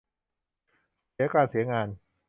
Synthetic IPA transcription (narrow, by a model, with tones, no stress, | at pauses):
si˩˦ɐkaː˧nsi˩˦ɐŋaː˧n